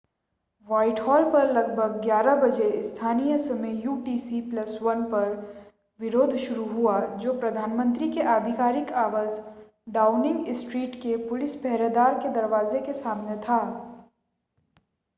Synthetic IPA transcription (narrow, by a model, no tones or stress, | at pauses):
ʋaːɪʈhɔːlpɐɾlɐɡ̚bʱəɡ̚ɡjaːɾabɐd͡ʒeɪst̪ʰaːnijəsɐmejuːʈiːsiplɐsʋɐnpɐɾ | ʋɪɾoːd̪ʱʃʊɾuɦuad͡ʒoːpɾɐd̪ʱaːnmə̃nt̪ɾikeʔaːd̪ʱɪkaːɾɪkaːʋaːz | ɖaːʊnɪ̃ŋɡɪsʈɾiːʈkepʊlɪsbɛɦɾeɦd̪aːɾked̪ɐɾʋaːzekesaːmnet̪ʰaː